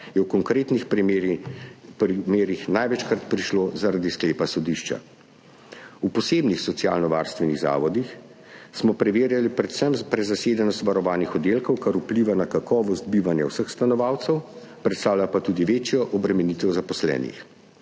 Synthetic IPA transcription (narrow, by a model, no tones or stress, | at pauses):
jɛwkɔŋkɾeːt̪nix | imeːɾixnajʋɛt͡ʃkɾat̪pɾiʃlozaɾad̪iskleːpasɔd̪iʃt͡ʃa̰ | upɔseːbnixsɔt̪sijaːlnɔʋa̰ːɾst̪ʋɛniɣza̰ːʋɔd̪ix | smɔpɾɛʋeːɾjalipɾɛt̪səmpɾɛzaseːd̪ɛnɔst̪ʋaɾɔʋaːnixɔd̪eːlkɔwkaɾupliʋanakakɔːʋɔst̪̚biʋanja̰wsəxst̪anɔʋaːwt̪sɛw | pɾɛt̪st̪aːwlʲapat̪uːd̪iʋeːt͡ʃjɔʔɔbɾɛmɛniːt̪ɛwzapɔslɛ̰ːnḭx